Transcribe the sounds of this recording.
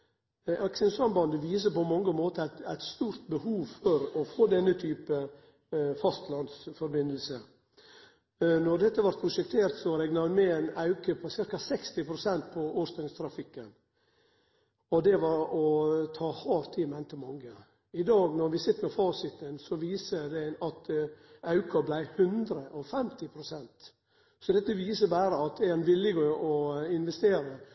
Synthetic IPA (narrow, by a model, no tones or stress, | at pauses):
ɑksənsɑmbɑnd̪əʋiːs̬əpɔmɑŋːəmoːt̪əæt̪æɪt̪st̪uːɾt̪̚bəhuːʋfɔɾɔfoːd̪ɛnːət̪ʰyːpə | fɑst̪lɑnd̪sfɔɾbɪnəl̩sə | nɔɾd̪ɛt̪ːəʋɑɾt̪pʰɾʊʂɛk̚t̪ʰeːɾt̪sɔɾɛɡnɑʋmɛæɪnɑʉkəpʰɔsɪɾkɑsɛkst̪ɪpʰɾʊsɛnt̪̚pʰɔoːɾst̪ɛŋst̪ʰɾɑfɪkːən | ɔd̪ɛʋɑɾɔt̪ʰɑːhɑːɾt̪ʰiːmɛnt̪əmɑŋːə | ɪd̪ɑːɡnɔɾʋɪsɪt̪ːəɾmɛfɑːsɪt̪ənsɔʋiːsəd̪ɛɑt̪ɑʉkɑblæɪhʉnd̪ɾəʔɔfɛmt̪ɪpʰɾʊsɛnt̪ | sɔd̪ɛt̪ːəʋiːsəbæːɾəɑt̪ɛnʋɪlɪɡəɔɪnʋɛst̪eːɾə